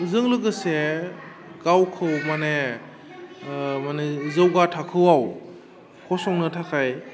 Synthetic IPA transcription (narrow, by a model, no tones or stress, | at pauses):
zɯŋlɯɡɯse | ɡawkʰɯwmane | manezɯwɡatʰakʰɯwaw | kʰɔsɔŋnɯtʰakʰaj